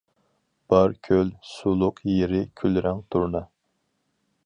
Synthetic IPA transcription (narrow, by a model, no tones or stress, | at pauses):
b̥ɑɾkʲʰølsulˠʊqjeɾɪkʲʰylɾɛŋt̪ʰuɾnɑ